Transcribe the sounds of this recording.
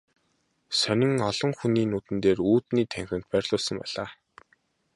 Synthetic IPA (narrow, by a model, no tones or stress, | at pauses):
sœnʲɪ̆ŋɔɮɞ̆ŋxuniːnuːt̪ɘ̆nt̪eːruːt̪niːt̪ʰæŋxʲɘ̆n̥t̪̚pærʲɮʊːɮsə̆ŋpæ̰ɮ̥aː